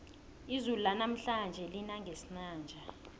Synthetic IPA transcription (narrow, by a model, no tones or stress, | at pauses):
izululanam̩ɬand͡ʒʱɛlinaŋʱesinaːnd͡ʒʱa